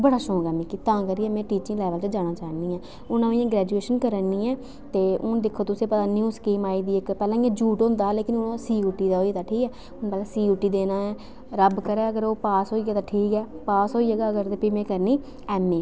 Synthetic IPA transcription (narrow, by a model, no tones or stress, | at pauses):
bəɽaːʃõːɡaːmɛ̃ːkit̪ãːkəɾiːɛːmɛ̃ːʈiːt͡ʃɪ̃ŋɡlɛːʋəlt͡ʃəd͡ʒaːñãːt͡ʃaːniːɛ̃ː | ʊnãijãːɡɾɛːd͡ʒueːʃənkəɾənːiːɛː | t̪eːʊnd̪ɪkʰːoːt̪ʊsẽːpət̪aːnjuːskeːmaːiːd̪iːɪkpɛːlãːĩãːd͡ʒuːʈɦõːnd̪aːɦɛːleːkɪnʊnãsiːuʈːiːd̪aːɦoːiːt̪aːʈʰiːkɛː | ʊnpəːlãːsiːuʈːiːd̪eːnaːɛː | ɾəbkəɾɛːəɡəɾoːpaːsɦoːiːɡaːt̪ãːʈʰiːkɛːpaːsɦoːiːd͡ʒeːɡaːəɡəɾt̪eːpɪmẽːkəɾniː | ɛːmːẽː